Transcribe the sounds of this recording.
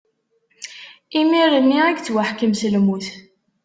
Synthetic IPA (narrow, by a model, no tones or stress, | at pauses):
imiɾənːiæɡt͡sːwaħkəmsəlmuθ